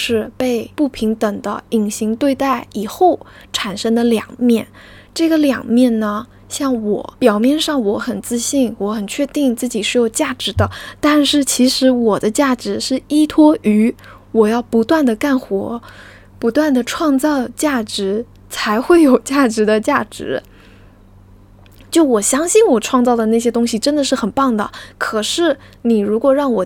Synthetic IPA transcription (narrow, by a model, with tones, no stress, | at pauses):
ʂɻ̩˥˧pe˥˧ɪpu˥˩pʰi˧˥ŋt̪ə˨˩ŋd̪ə̰˦i˨˩ŋɕi˧˥ŋt̪we˥˧ɪt̪a˥˩ɪi˨˩xo˥˩ʊ | ʈ͡ʂʰa˨˩nʂɤ˥ŋd̪ə˨ljɑ̰˨˩ŋmjɛ˥˩n | ʈ͡ʂɤ˥˩ɡə˩ljɑ̰˨˩ŋmjɛ˥˩nnə˩ | ɕjɑ˥˩ŋwɔ̰˨˧˩pjɑ˨˩ʊmjɛ˥˧nʂɑ˥˩ŋwɔ˧˥xə˨˩nt͡sɹ̩˥˧ɕi˥˩nwɔ˧˥xə˨˩nt͡ɕʰɥɛ˥˧t̪i˥˧ŋt͡sɹ̩˥˩t͡ɕi˨˩ʂɻ̩˥jo˨˩ʊt͡ɕja˥˩ʈ͡ʂɻ̩˧˥d̪ə˧t̪a˥˧nʂɻ̩˥˩t͡ɕʰi˧˥ʂɻ̩˧˥wɔ˨˩d̪ə˦t͡ɕja˥˩ʈ͡ʂɻ̩˧˥ʂɻ̩˥˩i˥t̪ʰwɔ˥y˧˥ | wɔ˨˩jɑ˥˩ʊpu˧˥t̪wa˥˩nd̪ə˩ka˥˩nxwɔ̰˧˥ | pu˧˥t̪wa˥˩nd̪ə˩ʈ͡ʂʰwɑ˥˧ŋt͡sɑ˥˧ʊt͡ɕja˥˩ʈ͡ʂɻ̩˧˥ | t͡sʰa˧˥ɪxwe˥˩ɪjo˨˩ʊt͡ɕja˥˩ʈ͡ʂɻ̩˧˥d̪ə˧t͡ɕja˥˩ʈ͡ʂɻ̩̰˧˥ | t͡ɕjo˥˩ʊwɔ˨˩ɕjɑ˥ŋɕi˥˩nwɔ˨˩ʈ͡ʂʰwɑ˥˧ŋt͡sɑ˥˩ʊd̪ə˩na˥˩ɕ̬jɛ˥t̪ʊ˥ŋɕi˨ʈ͡ʂə˥nd̪ə˨ʂɻ̩˥˩xə˨˩npɑ˥˩ŋd̪ə̰˩kʰɤ˨˩ʂɻ̩˥˩ni˨˩ɻu˧˥kwɔ˨˩ɻɑ˥˩ŋwɔ˨˩